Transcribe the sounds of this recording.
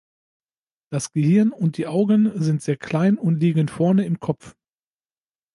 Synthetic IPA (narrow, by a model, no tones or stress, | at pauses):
d̥asɡ̥əhɪɐnʊnt̚d̥iːʔaʊɡənzɪntz̥eːɐkʰl̥aɪnʊntliːɡənfɔɐnəɪmkʰɔpp͡f